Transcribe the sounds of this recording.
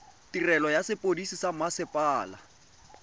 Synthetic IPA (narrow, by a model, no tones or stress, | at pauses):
tirɛlɔjasɪpʼodisisamasɪpʼaːla̰